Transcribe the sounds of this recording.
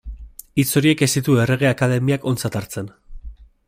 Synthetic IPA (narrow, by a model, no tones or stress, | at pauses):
it͡so̞ɾie̞ke̞st̪it̪ue̞re̞ɣ̞e̞akaðe̞miako̞nt͡sat̪aɾt͡se̞n